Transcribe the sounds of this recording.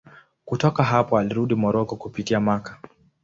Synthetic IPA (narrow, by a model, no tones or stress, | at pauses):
kutɔkaɦapɔaliɾuɗimɔɾɔkɔkupitiamakḁ